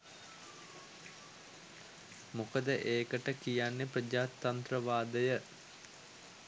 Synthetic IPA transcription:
mukəd̪əʔeːkəʈəkijanːeprəd͡ʒaːt̪ːant̪rəʋaːd̪əjə

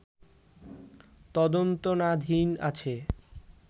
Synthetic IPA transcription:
t̪ɔd̪ont̪onad̪ʱina̰t͡ɕʰe

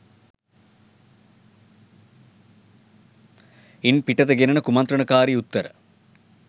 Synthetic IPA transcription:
inpiʈɐd̪ɐɡenɐɳɐkumɐnt̪ɾɐɳɐkaːɾiut̪ːɐɾɐ̰

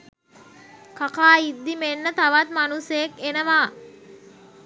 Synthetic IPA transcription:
kakaːid̪ːimenːət̪aʋat̪̚manusəjekenəʋaː

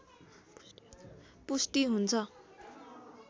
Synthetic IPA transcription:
pusʈiɦunt͡sʰʌ

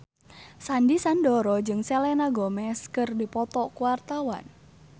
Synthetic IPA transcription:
sandisandɔɾɔd͡ʒɨŋsɛlɛnaɡɔmɛskɨrdipɔt̪ɔkuwart̪awa̰n

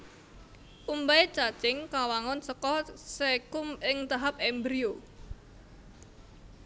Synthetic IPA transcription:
ʔumbaet͡ʃḁt͡ʃɪŋkawaŋɔnsəkɔsekʊmɪŋt̪aɦap̚ɛmbɾio

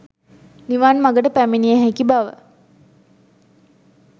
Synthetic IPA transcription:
niʋanmaɡəʈəpæminijəɦækibaʋə̰

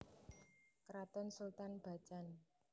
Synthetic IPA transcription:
kɾat̪ɔnsult̪anb̥a̤̥t͡ʃan

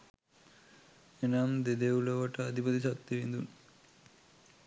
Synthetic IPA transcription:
enamd̪ed̪euloʋɐʈaːd̪ʱipət̪isɐp̚t̪ːiʋind̪un

